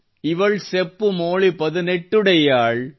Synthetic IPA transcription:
ɪʋɐɭsɛpːɯmoːɭipɐðɯnɛʈːɯɽɐjaːɭ

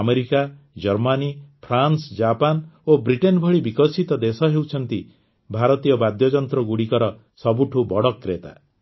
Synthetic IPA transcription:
meɾika | d͡ʒɔɾmanipʰɾansd͡ʒapanobɾiʈenbʱɔɭibikɔsit̪ɔd̪esɔɦewt͡ʃʰɔnt̪i | bʱaɾɔt̪ijɔbad̪jɔd͡ʒɔnt̪ɾɔɡuɽikɔɾɔ | sɔbuʈʰubɔɽɔkːɾet̪a̰

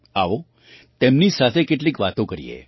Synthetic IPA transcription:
aʋo | t̪emnisat̪ʰekeʈliːkʋat̪õkəɾijḛ

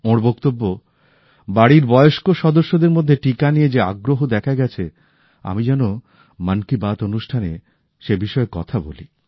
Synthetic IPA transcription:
õɾbok̚t̪obːo | baɽiɾbɔeoʃkoʃɔd̪oʃːod̪eɾmod̪ʱːeʈikanijed͡ʑeaɡɾoɦod̪ɛkʰaeɡɛt͡ɕʰe | a̰mid͡ʑɛno | mankibat̪onuʃʈʰanḛ | ʃebiʃɔekɔ̰t̪ʰabo̰lḭ

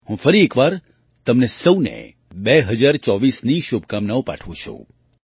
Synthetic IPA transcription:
ɦũfəɾiekʋaɾ | t̪əmnesəwnḛ | beɦəd͡ʒaɾt͡ʃɔʋisniʃub̚ʱkamnaʋwpa̰ʈʰʋũt͡ʃʰṵ̃

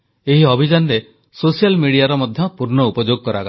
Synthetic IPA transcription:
eɦiɔbʱid͡ʒanɾe | sosijalmiɽijaɾɔmɔd̪ʱjɔpuɾnɔupɔd͡ʒoɡ̚kɔɾaka

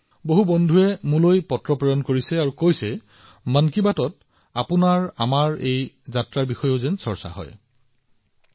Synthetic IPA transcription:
boɦubɔndʱuɛmulojpɔtɹɔpɹɔjɔnkoɹisɛaɹukojsɛ | mankibatɔt | apʊnaɹa̰maɹej | zatɹaɹbixɔjoʊzɛnsɔɹsa̰ɦɔ̰j

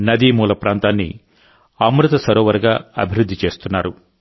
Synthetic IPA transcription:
nɐd̪iːmuːlɐpɾaːnt̪aːnːḭ | amɾut̪ɐsɐɾɔːʋɐɾɐɡaːɐ̰bʱiɾud̪ʱːit͡ʃe̞ːst̪unːaːɾu

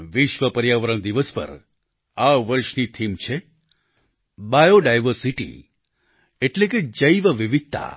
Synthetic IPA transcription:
ʋɪʃʋəpəɾjaʋəɾəɳd̪iʋəspə̰ɾ | aʋəɾʃnit̪ʰimt͡ʃʰe | bajoɖajʋəɾsiʈḭ | eʈleked͡ʒəjʋəʋiʋɪt̪a̰

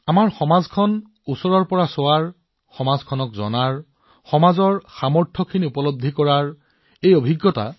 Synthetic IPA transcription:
amaɹxɔmazkʰɔn | usɔɹɔɹpɔɹasowaɹ | xɔmazkʰɔnɔkzɔ̰naɹ | xɔmazɔɹxamɔɹtʰɔkʰiniupɔlobd̪ʱːikɔɹaɹ | ejobʱiɡːɔta̰

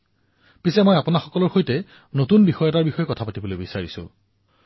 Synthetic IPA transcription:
pisɛmɔjapʊnaxɔkɔlɔɹxojtɛ | notunbixɔjɔtaɹbixɔjɔkɔtʰapatibolojbisaɹisʊ̰̃

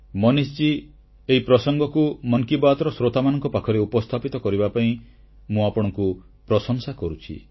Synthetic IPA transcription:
mɔnist͡ʃi | eipɾɔsɔŋɡɔkumɔŋkibat̪ɔɾɔsɾot̪amanɔŋkɔpakʰɔɾeupɔst̪ʰapit̪ɔkɔɾibapaĩ | mũapɔɽ̃ɔŋku | pɾɔsɔŋsakɔɾut͡ʃʰḭ

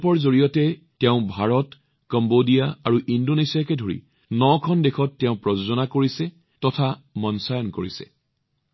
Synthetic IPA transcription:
pɔɹzoɹijɔtɛ | tɛʊ̃bʱaɹɔt | kɔmbodijaaɹuʔindonesiakɛdʱoɹḭ | nɔkʰɔndekʰɔtːɛʊ̃pɹɔzozɔnakoɹisɛ | tɔtʰamɔnsajɔnkoɹisɛ̥̰

